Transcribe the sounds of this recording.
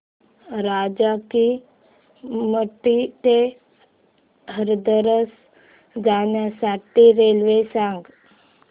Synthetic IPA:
ɾaːd͡ʒaki | məʈːit̪e | ɦəɾd̪əɾəs | d͡zaːnjasaːʈːiɾelʋesãŋɡ

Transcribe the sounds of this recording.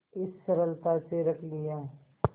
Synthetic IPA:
ɪsːɐɾəlt̪aseɾɐkʰlɪjaː

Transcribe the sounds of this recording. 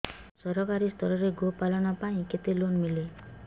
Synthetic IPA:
sɔɾɔkaɾist̪ʰɔɾɔɾeɡopalɔnɔpaĩket̪elonmile

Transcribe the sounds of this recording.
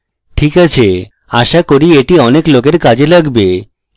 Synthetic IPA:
ʈʰikat͡ɕʰe | aʃakoɾieʈiɔneklokeɾkad͡ʑelaɡbe

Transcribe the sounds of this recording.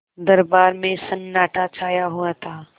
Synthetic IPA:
d̪ɐɾbaːɾmẽsɐnːaːʈat͡ʃʰaːjaɦuat̪ʰaː

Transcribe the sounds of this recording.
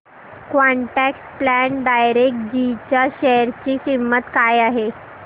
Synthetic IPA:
kʋaɳʈæksplæɳɖajɾek̚ʈ̚d͡ʑit͡ɕjaɕɛjəɾt͡ɕiːsimːət̪kajaɦe

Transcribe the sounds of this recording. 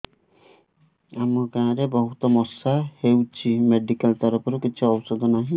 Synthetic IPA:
amɔkãːãɾebɔɦut̪ɔmɔsahewt͡ʃʰimeɖikalt̪aɾɔpʰɔɾukit͡ʃʰuɔbɔsɔd̪ʱɔnaɦĩ

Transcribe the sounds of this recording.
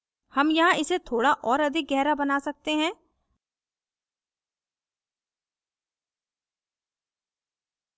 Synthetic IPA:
hɐmjɐɦãɪset̪ʰoːɽaʔɔːɾɐd̪ʱɪk̚ɡɛɦɾabɐnaːsɐk̚t̪eɦɛ̃ː

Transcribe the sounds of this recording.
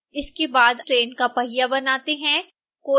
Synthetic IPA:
ɪskebaːd̪ʈɾeːnkapɐɦɪjabɐnaːt̪eɦɛ̃ | koː

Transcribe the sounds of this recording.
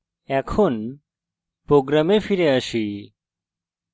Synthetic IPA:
ɛkʰun | pɾoɡɾamefiɾẽəʃi

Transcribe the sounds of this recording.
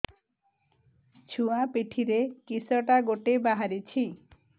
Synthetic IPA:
t͡ʃʰuapeʈʰiɾekisɔʈaɡoʈebaɦaɾit͡ʃʰi

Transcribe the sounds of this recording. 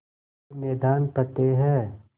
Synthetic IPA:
mɛːd̪aːnpət̪eɦɛː

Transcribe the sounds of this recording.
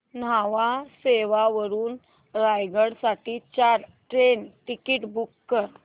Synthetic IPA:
n̤aʋaseʋaʋəɾuːn | ɾajɡəɽsaʈiːt͡ɕaɾ | ʈɾenʈikiːʈbukːəɾ

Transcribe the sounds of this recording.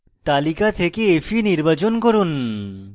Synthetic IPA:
t̪alikat̪ʰekeefʰiniɾbat͡ɕonkoɾun

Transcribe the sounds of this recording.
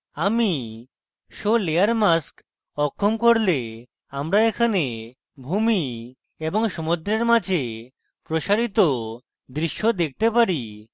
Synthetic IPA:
ami | ʃoleaɾmask | ɔkʰːomkoɾle | amɾaekʰane | bʱumi | eboŋʃɔmod̪ɾeɾmad͡ʑʱe | pɾoʃaɾit̪o | d̪ɾiʃːod̪ek̚ʰt̪epaɾi

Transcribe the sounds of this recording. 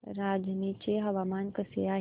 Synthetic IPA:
ɾaːd͡ʒnit͡ɕeɦɐʋaːmaːnkəsḛaːɦ

